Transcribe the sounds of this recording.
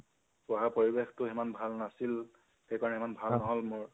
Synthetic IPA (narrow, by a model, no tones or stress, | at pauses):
pʊaɦapoɹibextʊɛmanbʱalnasil | xejkaɹɔnɛɛmanbʱalnɔɦɔlmʊɹ